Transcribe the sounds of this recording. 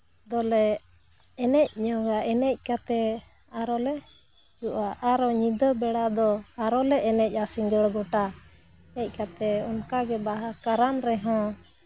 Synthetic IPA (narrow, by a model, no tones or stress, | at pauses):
d̪ɔlɛ | ɛnɛc̚ɲɔ̃ɡaʔɛnɛc̚ˀkat̪ɛaɾɔlɛ | d͡ʒuʔaʔaɾɔɲid̪əbɛɽad̪ɔaɾɔlɛʔɛnɛc̚ˀasiŋd͡ʒəɽɡɔʈa | ɛc̚ˀkat̪ɛɔnkaɡɛbaɦakaɾanɾɛɦɔ̃